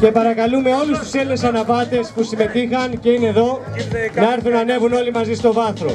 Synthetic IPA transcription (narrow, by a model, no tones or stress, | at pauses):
ce̞pɐɾɐkɐlume̞o̞lust̪u̥selnesɐnɐpɐt̪e̞spusime̞t̪ixɐnce̞ineðo̞ | nɐeɾθunɐne̞vuno̞limɐzist̪o̞vɐθɾo̞̰